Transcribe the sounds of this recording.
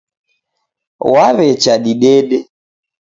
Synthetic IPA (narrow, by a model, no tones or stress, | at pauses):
waβɛt͡ʃaɗiɗɛɗɛ